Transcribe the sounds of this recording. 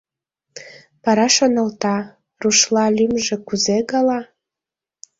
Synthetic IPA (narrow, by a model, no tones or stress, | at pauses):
pɑɾɑʃonəlt̪ɑ | ruʃlɑlʲymʒĕkuzeɣɑlɑ